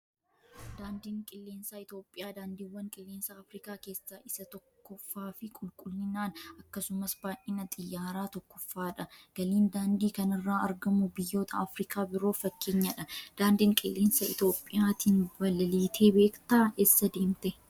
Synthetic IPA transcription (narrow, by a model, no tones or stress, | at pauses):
d̪aːnd̪iːŋkʼɪlːeːnsɐɪt̪o̞ːpʼːɪjaːd̪aːnd̪iːwːɐŋkʼɪlːe̞ːnsɐːfɾɪkaːke̞ːsːɐʔɪsɐt̪ɔkːɔfːaːfɪkʼʊlkʼʊlnɪnaːnɐkːɐsʊmɐsbaːʔʔiːnɐt̪ʼɪjːaːɾaːt̪ɔkːɔfːaːᶑɐɡ̥ɐliːnd̪aːnd̪iːkɐnɪrːaːɐɾɡɐmʊbɪjːo̞ːt̪ʰɐːfɾɪkʰaːbɪɾo̞ːfɐkːe̞ːɲːɐᶑɐd̪̥aːnd̪iːŋkʼɪ̰lːe̞ːnsɐɪ̰t̪o̞ːpʼːɪjaːt̪iːnbɐlɐliːt̪ʰe̞ːbe̞ːkt̪aːesːɐd̪e̞ːmt̪ɛ